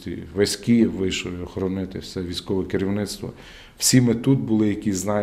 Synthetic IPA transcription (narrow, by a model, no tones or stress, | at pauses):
t̪ɪʋɐsʲkʲiʋɪʃlɪɔxɔɾɔnɪt̪ɪwsɛʋʲijsʲkɔʋɛkɪɾʲiwnɪt̪st̪ʋɔ̰ | w̥sʲimɪt̪ud̪bʊlˠɪjɐkʲiznɑ